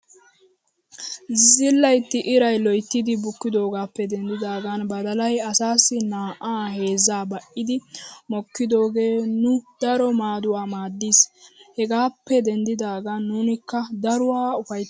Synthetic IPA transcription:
zɪlːɐjt̪ːɪʔɪɾɐjlɔjt̪ːɪd̪ɪbʊkːɪd̪o̞ːɡaːpːɛd̪ɛnd̪ɪd̪aːɡanbɐd̪ɐlɐjɐsaːsːɪnaːʔaːɦe̞ːzːaːbɐʔɪd̪ɪmɔkːɪd̪o̞ːɡe̞ːnʊd̪̥ɐɾɔmaːd̪ʊwaːmaːd̪ːiːshɛɡaːpːɛd̪ɛnd̪ɪd̪aːɡanːuːnɪkːɐd̪ɐɾʊwaːʊfɐj̪

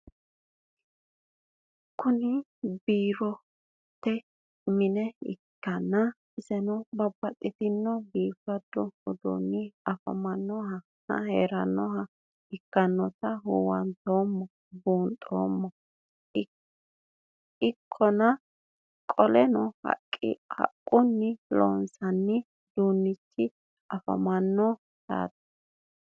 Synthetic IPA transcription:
kʊnɪbiːɾɔ | t̪ːɛ | mɪnɛɪ̰kːɐnːɐ | ɪzɛnɔbɐbːɐt̪ʼːɪt̪ɪnːɔbiːfɐd̪ɔɔd̪o̰ːnːɪɐfɐ̰mɐnːɔɦɐ | hɐ̰heːɾɐnːɔɦɐ | ɪkːɐnːɔt̪ɐɦuwɐnt̪oːmːɔ | buːnt̪ʼoːmːɔ | ɪkʰːɔnɐ | kʼɔlɛnɔhɐ̰kʼːɪ̰hɐ̰kʼːʊnːɪlo̰ːnsɐnːɪ | d̪uːnːɪt͡ʃːɪ | ɐfɐ̰mɐnːɔ | t̪a̰ːt̪ɐ̥

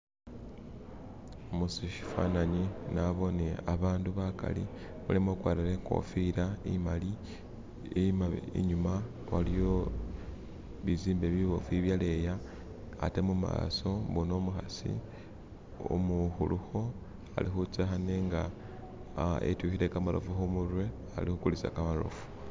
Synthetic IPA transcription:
omusiʃi̥fa̰naɲinaβo̞neaβaːnduβaka̰lḭ | mulemokwaːɾeɾeko̰fiɾaimali | emaḭɲuma | walijo̞ | βiziːmbeβiβofiβjale̞jaː | temuma̰so̞βunomuxasḭ | o̰muxuluxo | a̰lixut͡sexaneːŋɡa | ḛtuxiɾe̞kamalo̰fuxumuɾwe̞ | alixukulisa̰kamalo̞̰fu̥

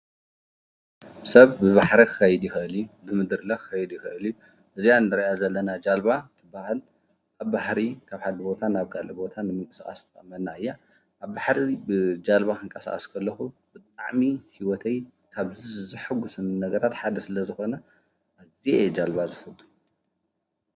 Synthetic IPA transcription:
sɐβːɨβaħɾikʰɨxɐjd̪jixɨʔɨljubɨmɨd̪ɨɾɨlɐkɨxɐjd̪ujixɨʔɨlju | ʔɨzijanɨɾɐʔazɐlːɐnad͡ʒalbat̪ʰɨbahal | ʔaβbaħɾikʰaβħad̪ɨbo̞t̪ʰanaβkʰalʔibo̞t̪ʰanɨmɨŋkʼɐ̥saχʼɐ̰st̪ʰɨʔʼɐmːɐnnːaɨjːa | ʔaβbaħɾibɨd͡ʒalβakʰɨŋkʼɐsa̰kʼɐ̰skʰɐlːɐxub̥ɨt̪ʼnaʕmihiwɔt̪ʰɐj | kʰaβzizɨħɨɡusɨnːɐɡɐɾat̪ħad̪ɐsɨlɐzɨxo̞nɐ | ʔazied͡ʒalβazɨfɐt̪ʼːu̥

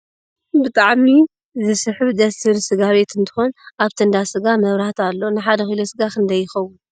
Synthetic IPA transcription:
bɨt̪ʼaʕmi | zɨsɨħɨβd̪ɐsʰɨɾsɨɡaβe̞t̪ʰɨnt̪ʰɨ̥xo̞naβt̪ʰɨnd̪asɨɡamɐβɾaht̪alːo̞nɨħad̪ɐxɨlosɨɡaxɨnd̪ɐjːɪxɐwːʊn

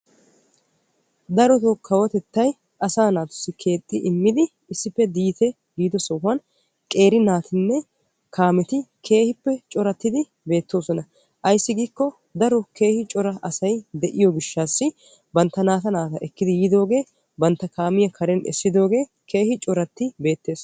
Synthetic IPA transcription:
d̪ɐɾɔt̪ɔkʰɐwɐt̪ɛt̪ːɐj | ʔɐsaːnaːt̪ʊ̥sːɪkʰe̞ːt̪ʼːɪʔɪmːɪd̪ɪ | ɪsːɪpːɛd̪iːt̪ɛ | ɡiːd̪ɔsɔhɐn | kʼe̞ːɾɪnaːt̪ɪnːɛ | kʰaːmɛt̪ɪkʰe̞ːhɪpːɛt͡ʃʼɔɾɐt̪ːɪd̪ɪ | be̞ːt̪ːo̞ːsɔnɐ | ʔɐjsːɪɡiːkːɔ | d̪ɐɾɔke̞ːhɪt͡ʃʼɔɾɐʔɐsɐjd̪ɛʔɪjɔɡɪʃːaːsːɪ | bɐnt̪ːɐnaːt̪ɐnaːt̪ɐʔɛkːɪd̪ɪjiːd̪o̞ːɡe̞ː | bɐnt̪ːɐkaːmɪjɐkʰɐɾɛnɛ̰sːɪd̪o̞ːɡe̞ː | kʰe̞ːhɪt͡ʃʼɔɾɐt̪ːɪbe̞ːt̪ːe̞ːs

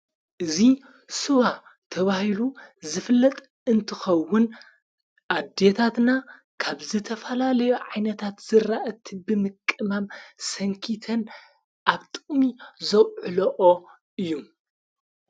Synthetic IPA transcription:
ʔɨzi | sɨwat̪ʰɐβahiluzɨfɨlːɐt̪ʼ | ɨnt̪ʰɨxɐwːʊn | ʔad̪et̪ʰat̪na | kʰaβzɨt̪ʰɐfɐlalɐjuʕajnɐt̪ʰat̪z̥ɨɾaʔɐt̪ʰibɨmɨkʼːɨmamsɐŋkʰit̪ʰɐn | ʔaβt̪ʼɨχʼmizɐwʕɨloʔo | ɨjːu

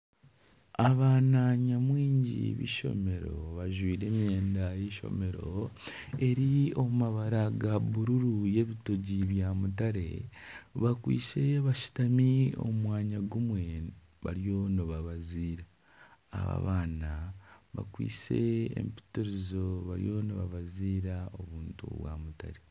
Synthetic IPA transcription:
aβaːnaɲamwiːɲɟḭβḭʃo̞̰me̞ɾo̞̰βaʒwiːɾe̞ːmjeːndajeʃo̞̰me̞ɾo | e̞ɾio̞mumaβaɾaɡaβuɾuɾuje̞βito̞ɟiβjamutaɾe̞̰βakwḭːt͡se̞βaʃu̥tamio̞̰mwaːɲaɡumwe̞ | βa̰ɾjo̞noβaβaziːɾa̰ː | βa̰βaːnaβa̰kwḭːsḛːmpi̥tuɾizo̞βaɾjo̞noβaβaziːɾao̞βuːntṵβwa̰ːmuta̰ɾe̞

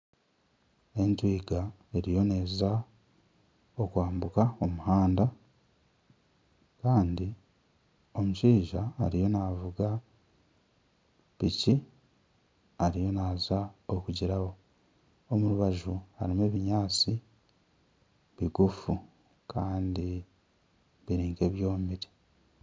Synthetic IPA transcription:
e̞ntwiːɡa | e̞ɾijo̞ne̞ːza | okwaːmbukaomuhaːnda | kaːndi | o̞muʃiːʒaːɾijo̞navuɡa | pici | aɾijo̞naːzaokuɟiɾawo̞ | omuɾuβaʒuha̰ɾimeːβiɲaːt͡si | βiɡufu | kʰaːndi | βiɾiːŋke̞ːβjo̞ːmiɾi̥

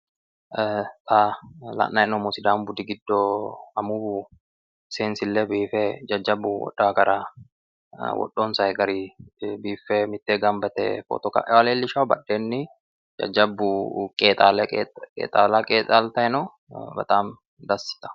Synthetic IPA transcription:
t̪ʼaːlɐ̰ʔːɐɛnɔmɔsɪd̪aːmbʊd̪ɪɡɪd̪ːoːɐmuːbu | ɪseːnsɪlːeːbiːfɛd͡ʒɐd͡ʒːɐbːʊwɔ̰ᶑːaːkɐɾa | wɔ̰ɗːoːnsɐɛɡɐɾibiːfːɛmɪt̪ːeːɡɐmbɐt̪ɛ̰fɔ̰ːt̪ɔka̰ʔɛwɐleːlːɪʃabɐ̰ɗːeːnːɪ | d͡ʒɐ̰d͡ʒːɐbːʊkʼeːt̪aːlkʼḛːt̪ʼaːlakʼeːt̪ʼaːlt̪ɐɛnoː | bɐ̰t̪ʼaːm | d̪ɐsɪ̥t̪ɐ̥

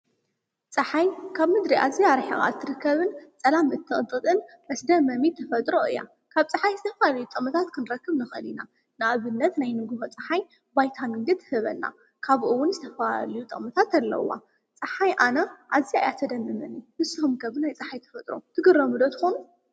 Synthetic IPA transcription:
t͡sʼɐħajkʰaβmɨd̪ɾiʔa̰zijaɾħixʼa̰t̪ʰːɨɾɨkːɐβɨnt͡sʼɐlamɨt̪ʰːɨχʼɨt̪ʼːɨt̪ʼɨn | ʔɐsd̪ɐmːɐmit̪ʰːɐfɐt̪ʼɾoɨ̰jːa̰ | kʰaβt͡sʼɨħajzɨt̪ʰɐflalɐjut̪ʼɨχʼmɨt̪ʰat̪kʰɨnɾɐkːɨβnɨxɐlina | nɨaβɨnːɐt̪najnɨɡɨɦot͡sʼɐħaj | bajt̪ʰamind̪ɨt̪ʰːɨhɨβɐ̰nːa̰ | kʰaβʔɨwʊnzɨt̪ʰɐfɐalɐjut̪ʼɨχʼmɨt̪ʰat̪ɐlːɐ̰wa̰ | t͡sʼɐħajʔanɐʔazia̰jat̪ʰɐd̪ɐmːɐmɐnihɨsuhumkʰɐβɨnajt͡sʼɐħajt̪ʰɐ̥fɐt̪ʼɾo̰t̪ʰɨɡɨɾɐmɨd̪ot̪ʰɨxonu

